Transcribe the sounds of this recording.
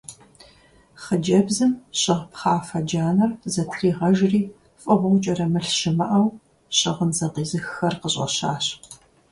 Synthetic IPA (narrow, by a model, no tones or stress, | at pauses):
χəd͡ʒɐbzɨmɕʼɪʁpχɑːfɐd͡ʒaːnɐrzɐtʰriːʁɐʒriː | fʼɐʁʊwt͡ʃʼɐɾɐmɨɬɕɪmɐʔɐw | ɕʼɪʁənzɐqiːzɨxɐrqəɕʼɐ̰ɕaːɕ